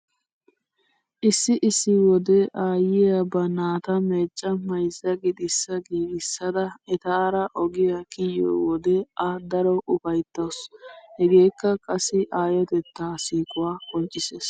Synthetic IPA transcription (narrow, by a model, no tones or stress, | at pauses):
ʔɪsːɪʔɪsːɪwɔd̪ɛʔaːjɪjɐbɐnaːt̪ɐme̞ːt͡ʃʼːɐmɐjsːɐɡɪd̪ɪsːɐɡiːɡɪsːɐd̪ɐɛt̪aːɾɐʔɔɡɪjakɪjo̰ːwɔd̪ɛʔɐd̪ɐɾɔʔʊfɐjt̪ːɐshɛɡe̞ːkːɐkʼɐsːɪʔaːjɔt̪ɛt̪ːaːsiːkʼʊwaːkʼɔnt͡ʃʼːɪseːs